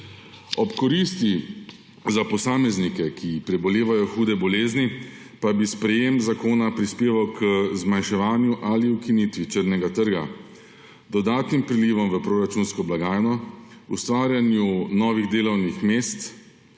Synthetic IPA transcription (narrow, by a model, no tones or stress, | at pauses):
ɔpkɔɾiːst̪i | zapɔsaːmɛznikɛkʰipɾɛbɔleːʋajɔxuːd̪ɛbɔleːzni | pabispɾɛjemzakoːnapɾispeːʋawkəzmanʃɛʋaːnjuʔaliukinit̪ʋit͡ʃəɾnɛɡat̪əɾɡa̰ | d̪ɔd̪aːt̪nimpɾiliːʋɔmʋəpɾoːɾat͡ʃunskɔblaɡaːjnɔust̪ʋaːɾjanjunɔːʋiɣd̪eːlɔwnixmeːst̪